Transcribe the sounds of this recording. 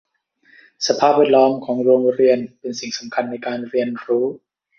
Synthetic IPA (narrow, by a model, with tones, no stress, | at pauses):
sa˧pʰaː˥˩p̚wɛː˥˩t̚lɔː˦˥mkʰɔː˩˦ŋɾoː˧ŋɾi˧ənpe˧nsi˨˩ŋsa˩˦mkʰa˧nːa˧jkaː˧nɾi˧ənɾuː˦˥